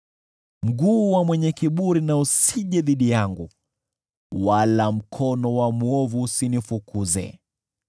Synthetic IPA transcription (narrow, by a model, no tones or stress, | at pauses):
m̩ɡuːwamwɛɲɛkiɓuɾinausiʄɛðiɗijaŋɡu | walam̩kʰɔnɔwamuɔvusinifukuzɛ̰